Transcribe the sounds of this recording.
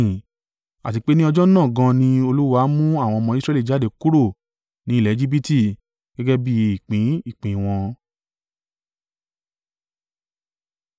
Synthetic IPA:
a̰˨ti˧k͡pe˦nĩ˦ɔ˧d͡ʒɔ˦nãː˦˨ɡã˧nĩ˧o˧lu˦wa˦mũ˦a˦˨w̃ɔ̃˧ɔ˧mɔ̃˧i˦sɾɛ˧˦li˦˨d͡ʒa˦˨de˨ku˦ɾo˦˨ | nĩ˨˦˨ɛ˨˦e˧d͡ʒi˦bi˦ti˦˨ | ɡ̥ɛ˦ɡɛ˦bi˦i˦˨k͡pĩ˨˦i˦˨k͡pĩ˨w̃ɔ̃˧

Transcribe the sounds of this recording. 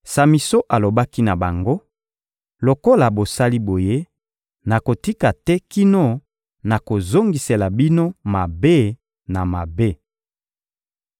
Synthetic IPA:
sa˨mi˨so˦ʔa˨lo˨ba˦ki˦na˨ba˨ŋɡo˦ | lo˨ko˦la˨bo˨sa˦li˦bo˨je˦ | na˨ko˨ti˦ka˨tɛ˦ki˦no˦ | na˨ko˨zo˦ŋɡi˨se˨la˨bi˦no˦ma˨be˦ | na˨ma˨be˦

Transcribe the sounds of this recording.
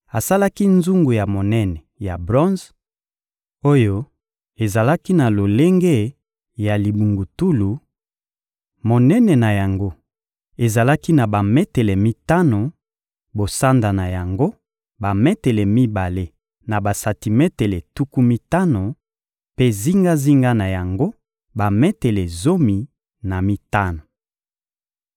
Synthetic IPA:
a˨sa˦la˦ki˦nzu˦ŋɡu˨ja˨mo˨nɛ˦nɛ˨ja˨bʁɔ̃˦nz | o˦jo˦ | e˨za˨la˦ki˦na˨lo˨le˦ŋɡe˦ | ja˨li˨bu˨ŋɡu˨tu˦lu˨ | mo˨nɛ˦nɛ˨na˨ja˨ŋɡo˦ | e˨za˨la˦ki˦na˨ba˨mɛ˦tɛ˨lɛ˨mi˦ta˦no˨ | bo˨sa˦nda˨na˨ja˨ŋɡo˦ | ba˨mɛ˦tɛ˨lɛ˨mi˦ba˨le˦ | na˨ba˨sa˨ti˨mɛ˦te˨le˨tu˦ku˦mi˦ta˦no˨ | pe˦zi˦ŋɡa˦zi˦ŋɡa˦na˨ja˨ŋɡo˦ | ba˨mɛ˦tɛ˨le˨zo˦mi˨ | na˨mi˦ta˦no˨

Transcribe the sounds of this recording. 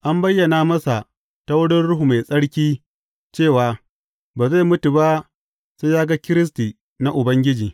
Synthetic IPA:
ʔa˦mbɐ˦jːɐ˨naː˦mɐ˦sa˨ | ta˦wʊ˦ɽɪ˦nɽʊ˦ɦu˨ma˨jsʼɐ˦ɽkʲiː˦ | t͡ʃeː˦˨waː˨ | baː˨za˦˨mʊ˦tu˨ba˦ | sa˦jaː˦ɡa˦kʲɪ˦ɾɪ˦s̬tiː˨ | na˦ʔʊ˨bɐ˦ŋɡʲɪ˦d͡ʒiː˨

